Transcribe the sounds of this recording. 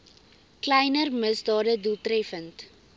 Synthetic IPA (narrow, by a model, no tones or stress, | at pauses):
klɛjnərməsdɑːdədulˠtrɛfənt